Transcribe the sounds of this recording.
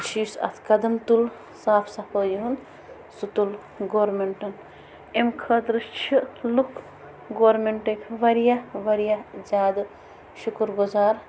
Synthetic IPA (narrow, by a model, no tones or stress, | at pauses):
t͡ʃʰiːsɐ̰t̪ʰkɐd̪ɐmt̪ul | saːpʰsɐpəːjɦun | sut̪ul | ɡoːɾmeɳʈɐn | emkʰɐt̪ɾɨt͡ʃʰilukʰ | ɡoːɾmeɳʈɐkʰʋɐɾijaʋɐɾijad͡ʒaːd̪ɨ | ʃukɾɡuzaːɾ